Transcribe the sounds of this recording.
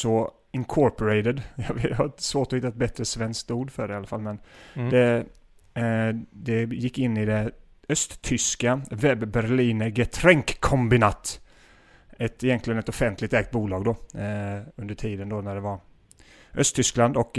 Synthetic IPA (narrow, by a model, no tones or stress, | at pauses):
sɔ | ɪŋkʰɔɾpɔɾɛɪt̪əd̪jɑvjat̪svoːʈɔhɪt̪ːaɛt̪̚bɛt̪ːɾəsvɛnsk̚t̪uːɖfœɖɛɪalːafalmɛnd̪ɛ | d̪ɛjɪkːɪnːɪd̪ɛ | œst̪t̪ʰʏskavɛbːæɾɭiːnəɡɛt̪ʰɾɛŋkʰːɔmbɪnɑːt̪ | ɛt̪ɪjɛnt̪lɪɡənɛt̪ɔfɛnt̪lɪk̚t̪ɛːɡ̚t̪̚buːlɑːɡd̪ɔ | ɵnd̪əʈʰiːd̪ənd̪ɔnæɖɛvaɾ | ʔœst̪ʰːʏskland̪ɔk